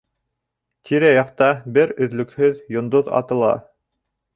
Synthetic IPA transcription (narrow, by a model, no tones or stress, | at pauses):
t̪ʰiɾæjɑqt̪ɑbɘɾɵ̆ðlɵ̆khɵðjŏnd̪oðɑ̰t̪ɤ̆lˠɑ̰